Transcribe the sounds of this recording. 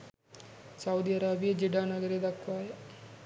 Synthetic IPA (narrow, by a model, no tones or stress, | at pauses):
sɐwd̪iɐɾaːbijɐd͡ʒiɖaːnɐɡɐɾed̪ɐkʋaːjɐ